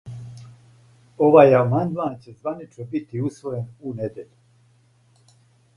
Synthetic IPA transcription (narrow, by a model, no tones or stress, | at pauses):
oʋaːjamand̪maːnt͡ɕezʋanit͡ʃnobit̪iusʋo̞jenuned̪jeʎu